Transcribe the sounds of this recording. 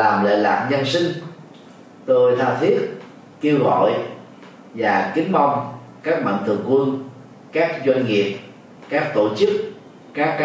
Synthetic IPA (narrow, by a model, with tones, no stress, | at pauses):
laː˨˩mlḛ˧˨la̰ː˨˩p̚ɲə˧nsï˧ŋ̟ | t̪o˧jt̪ʰaː˧t̪ʰi˦˥ət̚ | ke˧wɣɔ̰˧˨j | vaː˨˩kï˨˦ŋ̟mɔ˧wŋ͡m | kaː˦˥k̚ma̰˧˨ŋt̪ʰɨ̰˨˩əŋkwɨ˧n | kaː˦˥k̚zwa˧ŋŋi˨˩əp̚ | kaː˦˥k̚t̪o˧˩t͡ɕɨ˦˥k̚ | kaː˦˥kː